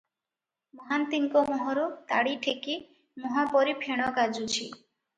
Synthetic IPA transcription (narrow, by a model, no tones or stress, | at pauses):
mɔɦant̪iŋkomoɦɔɾot̪a̰ɽiʈʰeki | mɔɦapɔɾipʰeɽ̃ɔɡad͡ʒut͡ʃʰi